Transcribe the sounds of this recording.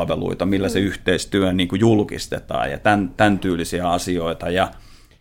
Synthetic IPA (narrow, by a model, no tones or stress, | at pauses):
ʋelṵit̪ɑmilːæseyht̪eist̪yøniːŋkujulkḭst̪ḛt̪ɑ̰ːjɑ̰t̪ænt̪ænt̪yːlːisiæɑsioit̪ɑjɑ